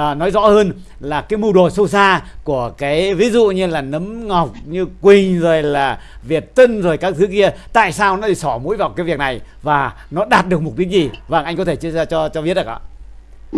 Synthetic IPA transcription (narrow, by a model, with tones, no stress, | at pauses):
nɔ˨˦jzɔ̰˧˥həː˧n | laː˨˩kaː˨˦jmu˧ɗo˨˩sə˧wsaː˧ku˧˩əkaː˨˦jvi˨˦zṵ˧˨ɲɨ˧laː˨˩nə˨˦mŋa˨˩wk͡p̚ɲɨ˧kwï˨˩ŋ̟zo˨˩jlaː˨˩vi˨˩ət̚t̪ə˧nzo˨˩jkaː˦˥k̚t̪ʰɨ˨˦ki˧ət̪a̰ː˧˨jsaː˧wnɔ˨˦ɗi˧˩sɔ˧˩mṵ˧˥jvaː˨˩kaː˨˦jvi˨˩ək̚na˨˩j | vaː˨˩ | nɔ˨˦ɗaː˨˩t̚ɗɨ˨˩ək̚mʊ˨˩k͡p̚ɗï˦˥k̚zi˨˩vaː˨˩ŋʔa˧jŋkɔ˨˦t̪ʰe˧˩t͡ɕza˧t͡ɕɔ˧t͡ɕɔ˧vi˦˥ət̚ɗə˨˩ʔa̰ː˨˧˦